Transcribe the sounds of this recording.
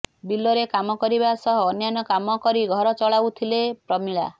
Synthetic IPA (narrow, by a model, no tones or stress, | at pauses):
bilːɔɾekamɔkɔɾibasɔɦɔːnjanɔkamɔkɔɾiɡʱɔɾɔt͡ʃɔɭawt̪ʰilepɾɔmiɭa̰